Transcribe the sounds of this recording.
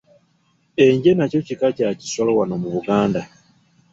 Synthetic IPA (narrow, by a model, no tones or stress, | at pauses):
e̞ɲɟe̞naco̞cikacaci̥solowanomuβuɡaːnda